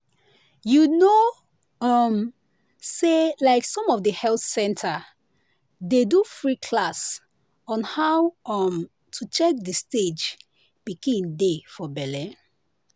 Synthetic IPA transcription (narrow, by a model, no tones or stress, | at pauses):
juno | ɔm | selaɪksɔ̃mɔfdəhɛlθsɛ̃ntʰa | dedufɹikʰlas | ɔ̃nhawɔm | tʰut͡ʃɛk̚dəsted͡ʒ | bikĩndefɔbɛlɛ̃